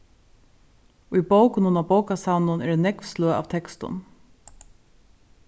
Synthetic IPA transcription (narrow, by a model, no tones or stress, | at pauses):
ʊjbowkʊnʊnabowkasawnʊnɛɖɛnɛkvsløːa̰ːʋt̪ʰɛkst̪ʊ̰n